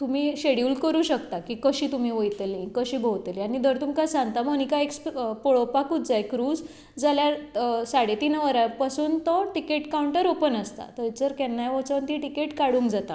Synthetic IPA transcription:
t̪um̤iːɕeɽiuːlkəɾuːɕəkt̪akikəɕiːt̪um̤iːʋəjt̪elĩkəɕiːbʱowt̪elianid̪ʱəɾt̪umkasãŋɡt̪amənikaekspoɭopakut̪d͡zajkɾuːd͡z | d͡zaljaɾsaɽet̪inʋəɾapasuːnt̪ɔʈikeʈkawuɳʈəɾopənəst̪a̰t̪əd͡zəɾkɛnːajʋət͡sənt̪iʈikeʈkaɽũːŋkd͡zat̪a

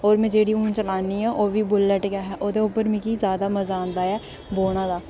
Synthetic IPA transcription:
oːɾmɛ̃ːd͡ʒeːɽiːũːnt͡ʃəlaːniːaːʔoːʋiːbʊlːəʈɡɪaːɦɛːʔoːd̪eːʊpːəɾmɪ̃kiːzjaːd̪aːməzãːnd̪aːɛː | boːɳ̃ãːd̪aː

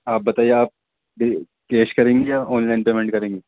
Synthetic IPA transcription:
aːp̚bɐt̪aijeaːp̚ | ɖi | keːskɐɾẽːŋɡijaʔɔːnlajnpemẽɳʈ̚kɐɾẽːŋɡi

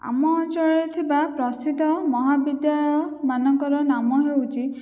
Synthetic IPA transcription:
a̰mɔːnt͡ʃɔɭet̪ʰibapɾɔsit̪ɔmɔɦabid̪jaɭɔjɔmanɔŋkɔɾɔnamɔɦewt͡ʃʰi

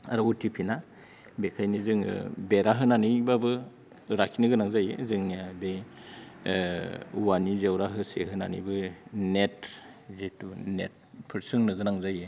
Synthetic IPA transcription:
aɾɯutʰipʰina | bekʰajnizɯŋ̰beɾaɦɯnanɯjbabɯ | ɾakʰinɯɡɯnaŋzajḛzɯŋbe | uwanizewɾaɦɯseɦɯna̰nijbɯnet̚zetunḛt̚ | pʰɯɾsɯŋnɯɡɯnaŋzaje

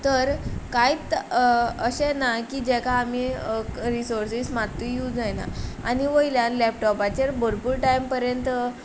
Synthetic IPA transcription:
t̪əɾkajt̪ | əɕɛ̃nakiːd͡ʑɛkʰaːmiɾisoɾsismat̪ːijuːd͡zd͡zajna̰a̰niʋəjljanlɛp̚ʈɔpat͡ɕaɾbʱəɾpuːɾʈaimpəɾjənt̪

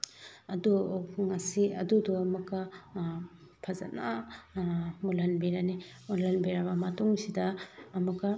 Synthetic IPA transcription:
ɐduŋɐsiɐ̰duduɐmɐkːɐ | pʰɐza̰na | mulɐnbeɾani | mulɐnbeɾabɐmɐtuŋsidɐːmɐkɐ

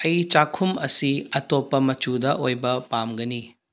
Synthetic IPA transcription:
ɐjt͡ʃakʰumɐsiɐtopːɐmɐt͡ʃudɐʔojbɐpamɡɐni

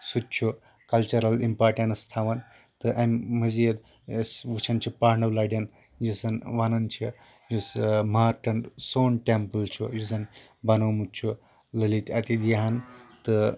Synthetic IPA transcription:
sut̪̚t͡ʃʰu | kɐlt͡ʃɐɾɐlimpaːʈenst̪ʰaːʋɐn | t̪ɨʔɐmmɐziɐd̪ | sʋut͡ʃʰɐnt͡ʃʰipaːɾɳɐwlaːɖʲjɐn | jisɐnʋanɐnt͡ʃʰi | jusmaːɾʈɐɳɖsoːnʈempɨlt͡ʃʰujuzɐnbɐnowmut͡ʃʰu | ləlit̪ʲɐt̪id̪ijɐɦɐnt̪ɨ

